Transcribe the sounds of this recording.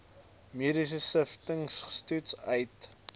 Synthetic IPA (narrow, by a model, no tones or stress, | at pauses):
miɾis̬əsəftəŋsstutsœjt